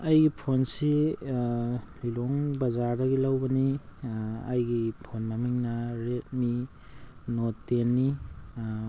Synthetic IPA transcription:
ɐjɡipʰonsi | liloŋbɐzaɾdɐɡilawbɐni | ɐjɡipʰonmɐmiŋnɐɾet̚mi | notenːi

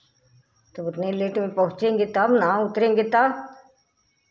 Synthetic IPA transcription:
t̪ɐbʊt̪neleːʈmẽpɐɦʊ̃t͡ʃẽːŋɡet̪ɐbnaʊt̪ɾẽːŋɡet̪ɐb

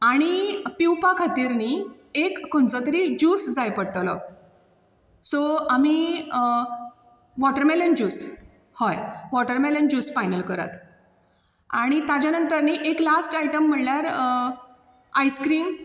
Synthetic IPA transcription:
aɽ̃ipiwpakʰat̪iːɾniː | ekːont͡sɔt̪əɾid͡ʑuːsd͡zajpəɽʈlɔ̰ | sɔami | ʋɔʈəɾmelənd͡ʑuːs | hɔjʋɔʈəɾmelənd͡ʑuːsfajnəlkəɾa̰t̪ | aɽ̃it̪ad͡ʑjanənt̪əɾniːʔeklasʈajʈəm̤ːəɽljaɾ | ajskɾiːm

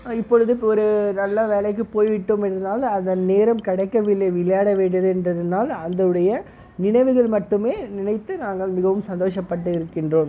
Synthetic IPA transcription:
ɪpːɔɻɯðɯɔɾɯnɐlːɐʋeːlɐɪkːɯpoːjʋɪʈːɯmɛnɾɯnd̪aːlɐnd̪ɐnneːɾɐmkɐɽɐɪkːɐʋɪlːɐʋɪɭɐjaːɽɐʋeːɳɖɐðɯɛndrɐðɐnaːlɐnd̪ɐɯɽɐjɐ | nɪɳɐɪʋɯɣɐɭmɐʈːɯmeːnɪɳɐɪt̪ːɯnaːŋɡɐɭmɪɣɐʋɯmsɐnd̪oːʂɐpːɐʈːɯɪɾɯkːɪndroːm

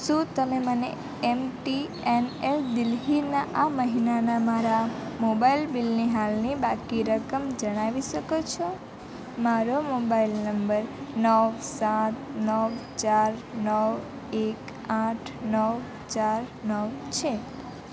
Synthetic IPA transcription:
ʃũt̪əmeməne | emʈi | eneld̪ɪlɦinaʔaməɦinanamaɾamobailbilniɦalnibakiɾəkəmd͡ʒəɽ̃aʋiʃəkot͡ʃʰo | maɾomobailnəmbəɾnəʋsãt̪nəʋt͡ʃaɾnəʋ | ek | ãʈʰnəʋ | t͡ʃaɾnəʋt͡ʃʰe

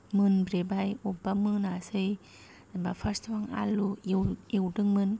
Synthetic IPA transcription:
mɯnbɾebajʔobamɯnasɯj | abafastʰwaŋa̰luiwiwdɯŋmɯn

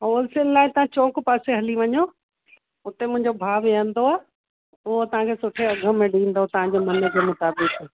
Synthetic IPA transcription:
ɦoːlsɪnlaːɪt̪ɐʋ̤ãt͡ɕoːkpaːseɦɐliʋɐɲo | ʊt̪emʊ̃ɦɪ̃ɲd͡ʑobʱaːʋeə̃nd̪oaː | ʊɦot̪ɐʋ̤ãkʰeːsʊʈʰeɐɡʱə̆mẽɖĩːn̆d̪ot̪ɐʋ̤ãd͡ʑeːmɐnə̆kʰeːmʊt̪aːbɪkː

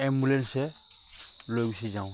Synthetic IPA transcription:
ɛmbulɛnsɛ | lojɡusizaw̃

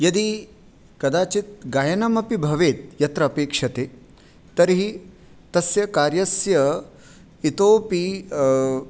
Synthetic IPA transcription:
jɐd̪i | kɐd̪aːt͡ʃit̪̚ɡaːjɐnɐmɐpibʱɐʋeːt̪̚jɐt̪ɾɐːpeːkʂɐt̪eː | t̪ɐɾiɦi | t̪ɐsjɐkaːɾjɐsjɐ | it̪oːpi

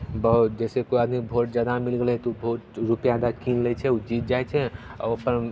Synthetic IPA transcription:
bəɦ̪d͡ʒɛːsekoiəd̪mibʱoːʈ̚d͡ʒjaːd̪amilɡelɦɛt̪oubʱoːʈɾupjad̪akinlɛt͡ʃʰɛud͡ʒiːt̪̚d͡ʒaɛt͡ʃʰɛɔ̰opəɾ

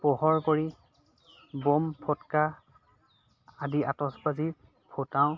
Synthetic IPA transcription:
pɔɦɔɹkoɹi | bɔmpʰɔtka | adiʔatɔsbazi | pʰotaʊ̃

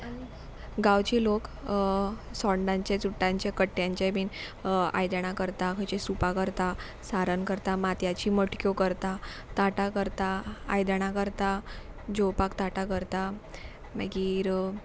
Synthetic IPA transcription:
ɡawt͡ɕiːlok | sɔɳɖãɲt͡ɕet͡suʈːãɲt͡ɕekəʈːjãɲt͡ɕebiːna̰jd̪əɽ̃akəɾt̪akʰət͡ɕesupakəɾt̪a | saɾənkəɾt̪amat̪jat͡ɕiːməʈkjokəɾt̪a | t̪aʈakəɾt̪a̰ːjd̪əɽ̃akəɾt̪a | d͡ʑowpakt̪aʈakəɾt̪a | məɡiːɾ

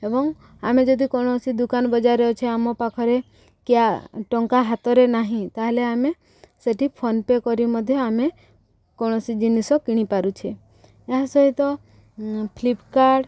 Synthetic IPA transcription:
ebɔŋ | amed͡ʒɔd̪ikɔɽ̃ɔsid̪ukanbɔd͡ʒaɾɔɔt͡ʃʰeamɔpakʰɔɾe | kjaʈɔŋkaɦat̪ɔɾenaɦĩt̪aɦleame | seʈipʰɔnpekɔɾimɔd̪ʱjɔame | kɔɽ̃ɔsid͡ʒinisɔkiɽ̃ipaɾut͡ʃʰe | eɦasɔɦit̪ɔ | pʰlipkaɾɖ

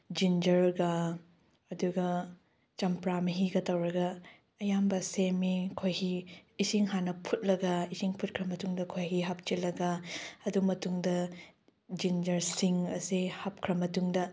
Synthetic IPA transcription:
d͡ʒind͡ʒɐɾɡɐ | ɐduɡɐ | t͡ʃɐmpɾamɐɦiɡɐtɐwɾɐɡɐ | ɐjambɐsemikʰojhiːsiŋɦanɐpʰut̚lɐɡɐisiŋpʰut̚kʰɾɐmɐtuŋdɐkʰojɦiɦap̚t͡ʃilɐɡɐɐdumɐtuŋdɐ | d͡ʒind͡ʒɐɾsiŋɐ̰sihap̚kʰɾɐmɐtuŋdɐ

